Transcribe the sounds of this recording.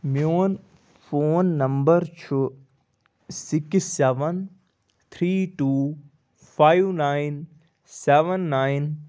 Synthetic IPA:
mjoːn | foːnːɐmbəɾt͡ʃʰu | sɪkisːɛʋən | t̪ʰɾiːʈuː | pʰaːiʋnaːin | seʋənːaːin

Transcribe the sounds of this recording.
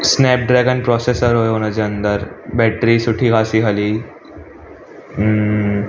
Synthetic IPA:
snɛp̚ɖɾɛɡənpɾɔsesəɾɦojonəd͡ʑeənd̪əɾbɛʈɾiːsuʈʰiːɡasiɦaliː

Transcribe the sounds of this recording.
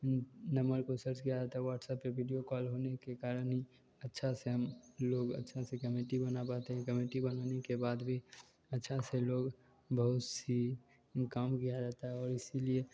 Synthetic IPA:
nəmbəɾkosəɾt͡ʃkijad͡ʒaːt̪aɦɛʋaːʈsəpːeʋʱiɖijokɔːlɦoːnekekaːɾənɦi | ətːʃʰaseɦəmloːɡə̰tːʃʰasekəmeʈibənapat̪eɦɛ̃kəmeʈibənanekebaːd̪bʱi | ɐtːʃʰaseloːɡ | bəɦʊt̪si | kaːmkijad͡ʒaːt̪aɦɛɔːɾɪsilie

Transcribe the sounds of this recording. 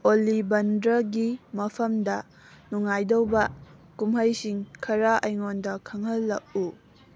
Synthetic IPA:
olibɐndɾɐɡimɐpʰɐmdɐ | nuŋːajdɐwbɐkumɦɐjsiŋkʰɐɾɐʔɐjŋondɐkʰɐŋhɐlːɐk̚u

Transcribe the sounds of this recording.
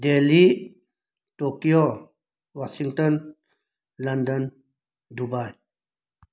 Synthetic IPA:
deli | tokijo | wasiŋtən | landən | dubaj

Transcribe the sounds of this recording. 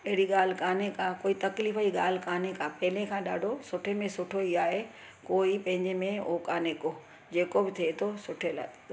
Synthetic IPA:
ɐɦɪɽiɠaːl̤ɪkaːnekaːkoːit̪ɐkliːfəiɠaːl̤ɪkaːnekaːpɐɦɪlẽkʰãːɗaːɖʱosʊʈʰemẽsʊʈʰoiaːɦe | koːipɐ̃ɦɪ̃ɲd͡ʑemẽoːkaːneːko | d͡ʑeːkobɪt̪ʰiet̪ʰosʊʈʰela̰ː

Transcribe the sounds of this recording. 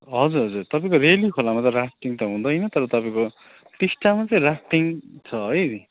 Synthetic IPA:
ɦʌd͡zuɾɦʌd͡zurt̪ʌpaĩkoɾelikʰolamat͡sʌɾap̚ʰʈiŋt̪ʌɦũd̪ʌjnʌt̪ʌɾʌt̪ʌpaĩko | ʈisʈamat͡sʌĩrapʈiŋt͡sʰʌɦʌj

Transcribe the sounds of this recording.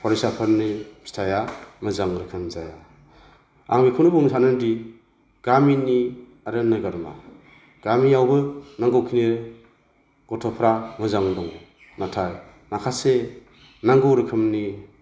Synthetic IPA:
pʰɔɾisapʰaɾnibʰi̥tʰajamɯzaŋɾɯkʰɯmzaja | a̰ŋbikʰuwnibɔŋnisʰanɯndi | ɡ̥amini | aɾenːɯɡaɾma̰ | ɡ̥amiawbɯnaŋɡɔwkʰiniɾ | ɡ̥ɔtʰɔpʰɾamɯzaŋdɔŋ | natʰaj | nakʰase | naŋɡɯwɾɯkʰɯmni

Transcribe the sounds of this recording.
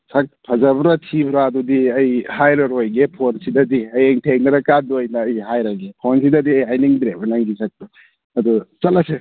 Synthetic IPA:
sʰak̚pʰɐzɐbɾɐtʰibɾaːdudiɐjhajɾɐɾojɡepʰonsidɐdiɐjeŋtʰeŋnɐɾɐkanduɐjnɐːjhajɾɐɡepʰonsidɐdiɐjɦajniŋbɾebɐnaŋɡisʰak̚tu | ɐdusɐlɐse

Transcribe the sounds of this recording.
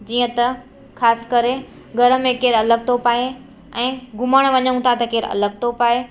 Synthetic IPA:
d͡ʑiːə̃t̪ɐ | xʰaːsɪ̥kɐɾe | ɡʱɐɾə̆mẽkeːɾɐləɡ̚t̪ʰopaːe | ɛ̃ːɡʱʊməɽ̃ʋɐɲəɽ̃ũt̪ʰat̪ɐkeːɾɐ̰ləɡ̚t̪ʰopaːe

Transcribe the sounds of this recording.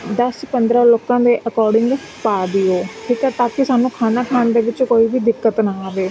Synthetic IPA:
d̪əspənd̪ɾaːloːkãːd̪eːʔəkɔːɾɖɪ̃ŋɡ | paːd̪iːoːʈʰiːkɛːt̪aːkɪsaːnũːkʰaːnaːkʰaːnd̪eːʋɪt͡ʃkoːiːbiːd̪ɪkːət̪naːaːʋeː

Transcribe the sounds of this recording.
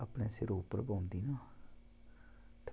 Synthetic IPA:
əpɳẽːsɪɾoːpəɾbaːnd̪iːnãː | t̪ʰ

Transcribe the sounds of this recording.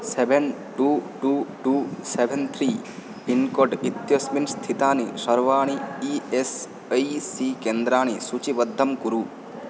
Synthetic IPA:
sebʱenʈuːʈuːʈuːsebʱent̪ʰɾiː | inkɔɖit̪josminst̪ʰit̪aːnisɐɾʋaːɳ̃iies | ɐjsikend̪ɾaːɳ̃isut͡ʃiʋɐd̪ʱːɐmkuɾu

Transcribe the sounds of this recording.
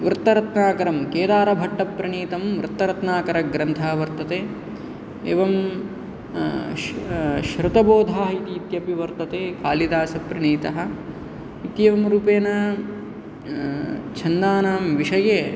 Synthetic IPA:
ʋɾt̪ːɐɾɐt̪naːkɐɾɐmkeːd̪aːɾɐbʱɐʈːɐpɾɐɳiːt̪ɐmʋɾɨt̪ːɐɾɐt̪naːkɐɾɐɡɾɐnt̪ʰaːʋɐɾt̪ɐt̪eː | ḛːʋɐm | ʃɾut̪ɐboːd̪ʱaːɦit̪iːt̪jɐpiʋɐɾt̪ɐt̪eːkaːlid̪aːsɐpɾɐɳiːt̪ɐɦɐ̆ | it̪jeʋɐmɾuːpeːnɐ | t͡ʃʰɐnd̪aːnaːmʋiʂɐjeː

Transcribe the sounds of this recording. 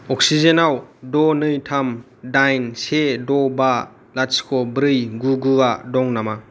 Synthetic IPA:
ɔk̚sizenawdɔnɯjtʰam | dajnsedɔba | laskʰɔbɾɯjɡuɡɯadɔŋnama

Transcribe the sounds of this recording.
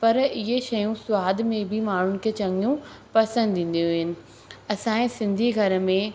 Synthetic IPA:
pɐɾɪɦeʃɐjũsʊwaːd̪ʱmẽbʱɪmaːɳ̤ʊnɪ̆kʰeːt͡ɕɐ̃ŋijũpɐsə̃nd̪ʱĩːn̆d̪ijuɦɪnɪ̆ | ɐsãːẽsɪ̃nd̪ʱiɡʱɐɾəmẽ

